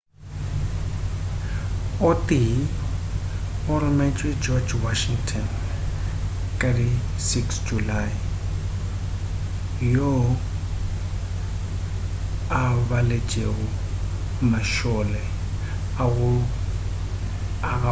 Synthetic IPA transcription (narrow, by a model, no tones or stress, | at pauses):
ʊtʼi | ʊrʊmɛt͡ʃʼwɛd͡ʒɔd͡ʒwaʃiŋtʰɔn | kʼadi | siksd͡ʒulaj | jo | aβalet͡ʃʼeɣʊ | maʃɔlɛ | aɣʊ | a